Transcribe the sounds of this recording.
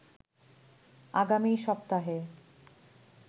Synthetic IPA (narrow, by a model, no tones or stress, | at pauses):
aɡamiʃɔpt̪aɦe